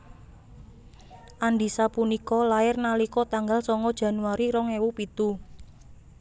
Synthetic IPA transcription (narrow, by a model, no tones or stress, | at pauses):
ʔanɖisapunikɔlaɪrnalikɔt̪aŋɡalsɔŋɔd̥ʒ̥ä̤nuaɾiɾɔŋewupit̪u